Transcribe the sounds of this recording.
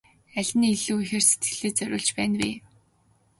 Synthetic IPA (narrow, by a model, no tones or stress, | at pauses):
æɮʲniːiɮuːixĕrset̪ɡɘ̆ɮeːt͡sœɾʲʊ̰ːɮt͡ɕpæːnwḭː